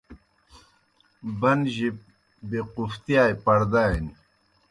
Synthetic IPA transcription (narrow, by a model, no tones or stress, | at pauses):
bɐnʑip̚ | bequft̪ijaːjpɐɽd̪ajni